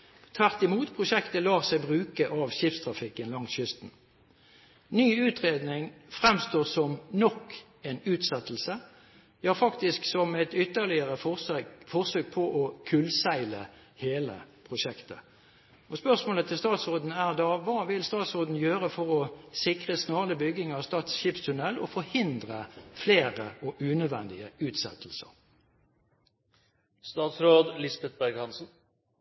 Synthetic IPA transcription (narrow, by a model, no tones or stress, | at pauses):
t̪ʰʋæʁt̪ɪmuːt̪pʰʁʊʃɛkt̪əlɑːʁsæɪbʁʉːkəʔɑʋʃɪfst̪ʰʁɑfɪkːənlɑŋt̪ɕʏst̪n̩ | nyːʉːt̪ʁeːd̪nɪŋfʁɛmst̪oːʁsɔmnɔkː | ɛnʉːt̪sɛt̪ːl̩sə | hɑʁfɑkt̪ɪsksɔmɛt̪ʏt̪ːəʁlɪəʁəfɔʁsøːk̚pʰɔʔɔkʰʉlsæɪlə̰ | heːlə̰pʰʁʊʂɛkt̪ə̰ | ɔspœʁsmoːlət̪ʰɪlst̪ɑːt̪sʁoːd̪n̩æʁd̪ɑʋɑːʋɪlst̪ɑːt̪sʁoːd̪n̩jøːʁəfɔʁɔsɪkʁəsnoːʁləbʏɡɪŋɑʋst̪ɑːt̪sɕɪːpst̪ʰʉnɛlɔ̰fɔɾhɪnd̪ʁəfleːʁəɔʔʉːnœd̪ʋɛ̰nd̪ɪəʉːt̪sɛ̰t̪ʰl̩sə̰ɾ | st̪ɑːt̪sɾoːd̪lɪsbɛt̪̚bæɾɡhɑnsn̩